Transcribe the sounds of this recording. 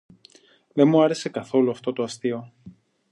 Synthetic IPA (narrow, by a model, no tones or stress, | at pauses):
ðenmuɐɾe̞se̞kɐθo̞luɐft̪o̞t̪oɐst̪io̞